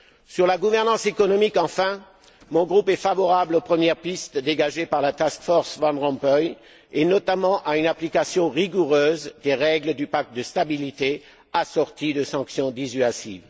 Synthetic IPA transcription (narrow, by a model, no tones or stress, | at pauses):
syʁlaɡuvɛʁnɑ̃sekɔnɔmikɑ̃fɛ̃ | mɔ̃ɡʁupɛfavɔʁablopχəmjɛʁpist̪d̪eɡaʒepaʁlat̪askfɔʁsvɑ̃nʁɑ̃pœj | enɔt̪amɑ̃ʔaynaplikasjɔ̃ʁiɡuʁøːzd̪eʁɛɡləd̪ypak̚t̪̚d̪əst̪abilit̪e | asɔʁt̪id̪əsɑ̃ksjɔ̃d̪izyasḭv